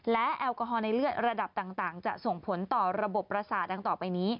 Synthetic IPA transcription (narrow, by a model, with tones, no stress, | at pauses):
lɛ˦˥ʔɛ˧wkɔ˧ɦɔː˧na˧jlɯ˥˩ət̪̚ɾa˧da˨˩p̚t̪aː˨˩ŋt̪aː˨˩ŋt͡ɕa̰˨˩ʔso˨˩ŋpʰo˩˦nt̪ɔː˨˩ɾa˧bo˨˩pːɾa˧saː˨˩t̪̚daː˧ŋt̪ɔː˨˩pa˧jniː˦˥